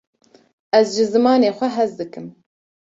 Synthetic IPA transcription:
ɛzʒɨzɨmɑːneːxʷɛɦɛzd̪ɨkɨm

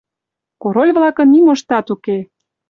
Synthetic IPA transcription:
koɾolʲβlɑkə̆nimoʃt̪ɑt̪uke

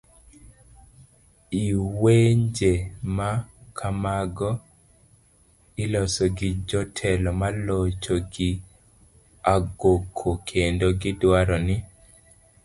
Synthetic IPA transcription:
iweɲd͡ʒemakʰamaɡɔ | ɪlɔsɔɡɪd͡ʒɔtʰɛlɔmalot͡ʃoɡɪ | aɡokʰːokʰendoɡɪdwaɾɔnɪ

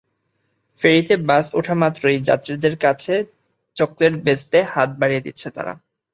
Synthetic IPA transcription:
feɾit̪ebasuʈʰamat̪ːɾojd͡ʑa̰t̪ːɾid̪eɾkat͡ɕʰe | t͡ɕok̚d̪eɾbest̪ehat̪̚baɽijed̪it̪ːɕʰet̪a̰ɾa̰

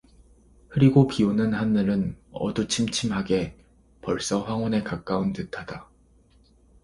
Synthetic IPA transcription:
kʰɯɾiɡopiunɯnhanːɯɾɯnʌ̰dut͡ɕʰimt͡ɕʰimɦaɡe̞ | pʌɭs͈ʌɸwaŋwʌne̞kak͈aɯntɯtʰad̥a

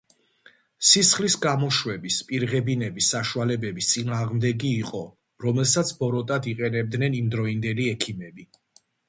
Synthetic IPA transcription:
sisχlisɡamɔʃwɛbispʼiɾʁɛbinɛbisːaʃualɛbɛbist̪sʼinaːʁmd̪ɛɡiːqʼɔ | ɾɔmɛlˠsat̪sʰbɔɾɔt̪ʼad̪iqʼɛnɛb̚d̪nɛnimd̪ɾɔind̪ɛliɛkʰimɛbi

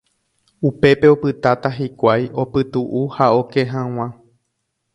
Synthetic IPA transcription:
upe̞pe̞opɨt̪at̪aɦikʷajo̞pɨt̪uʔuhao̞keɦãw̃ã

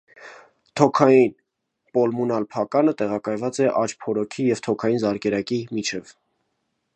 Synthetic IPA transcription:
t̪ʰɔkʰɑjin | pɔlmunɑlpʰɑkɑnət̪ɛʁɑkɑjvɑt͡sɛʔɑt͡ʃpʰɔɾɔkʰijɛvt̪ʰɔkʰɑjinzɑɾkɛɾɑkimit͡ʃʰɛv

